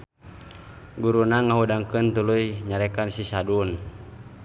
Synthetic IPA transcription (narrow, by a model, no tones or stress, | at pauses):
ɡuɾunaŋaɦudaŋkɨnt̪ulujɲaɾɛkansisadun